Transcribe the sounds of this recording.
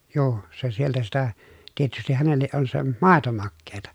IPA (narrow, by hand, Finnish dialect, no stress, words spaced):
juː se sieltæ sitæ tietystih hænelːeʔ ʔon se mɑˑeto mɑkːeːtɑ